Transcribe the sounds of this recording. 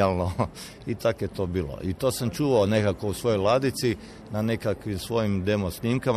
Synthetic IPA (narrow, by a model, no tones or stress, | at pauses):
alˠno | ip̪akjet̪o̞biːlo̰ʔit̪o̞ːsamt͡ʃuːʋaone̞kakousʋo̞jojlˠad̪it̪si | nane̞kakʋimsʋo̞jimd̪e̞mosniːmkam